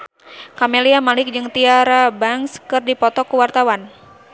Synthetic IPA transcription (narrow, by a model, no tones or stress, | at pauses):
kameliamalɪk̚d͡ʒɨŋt̪iaɾabaŋskɨrdipɔt̪ɔkuwart̪awan